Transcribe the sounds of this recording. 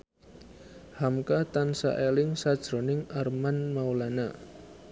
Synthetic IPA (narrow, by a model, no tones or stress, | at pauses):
hamkat̪ansa̰ʔelɪŋsad̥ʒ̥ɾo̤nɪŋarmanmaulana